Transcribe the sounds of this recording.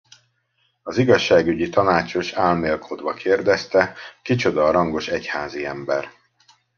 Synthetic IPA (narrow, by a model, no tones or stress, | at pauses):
ɒziɡɒʃːaːɡyɟit̪ɒnaːt͡ʃo̞ʃaːlmeːlkʰod̪ʋɒkʰeːrd̪ɛst̪ɛkit͡ʃo̞d̪ɒrɒŋɡo̞ʃɛchaːziɛmbɛr